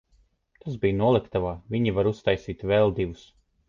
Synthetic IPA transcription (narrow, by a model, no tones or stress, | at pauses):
t̪azbijnuɔlˠɛkt̪avaːvʲiɲivaɾust̪ajsiːt̪vɛlˠd̪ivus